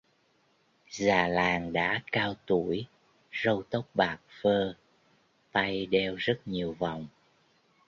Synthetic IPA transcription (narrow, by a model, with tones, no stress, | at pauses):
zaː˨˩laː˨˩ŋɗa̰ː˧˥kaː˧wt̪u˧˩əj | zə˧wt̪ə˦˥wk͡p̚ɓaː˨˩k̚fəː˧ | t̪a˧jɗɛ˧wzə˦˥t̚ɲi˨˩əwva˨wŋ͡m